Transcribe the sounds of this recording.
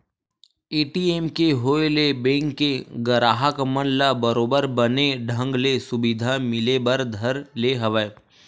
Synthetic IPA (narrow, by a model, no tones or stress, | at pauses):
eːʈieːmkeɦoːelebẽːŋkːeɡəɾaːɦəkmənlabəɾoːbəɾbəneɖʱə̃ŋɡlesʊbid̪ʱamɪlebəɾd̪ʱəɾleɦɐʋə